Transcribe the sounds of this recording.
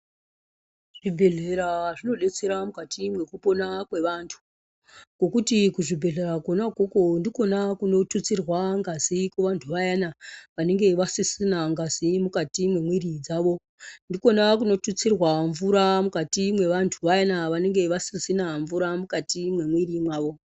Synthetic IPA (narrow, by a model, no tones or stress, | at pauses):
ʐ̥ibʱe̞ɮeɾaʐino̞ɗe̞t͡se̞ɾamukatʰimwe̞kupo̞nakwe̞ʋaːntʰu̥ | ko̞kutikuʐibʱe̞ɮe̞ɾakonakoko̞ndiko̞nakuno̞tut͡sirwaŋɡazikuʋantʰuʋajanaʋane̞ŋɡe̞ʋasisinaŋɡazimukatimwe̞mwirid͡zaʋo̞ | ndiko̞nakuno̞tut͡sirwaɱvuɾamukatimwe̞ʋantʰuʋajanaʋane̞ŋɡe̞ʋasisinaɱvuɾamukatimwe̞mwirimwaːʋo̞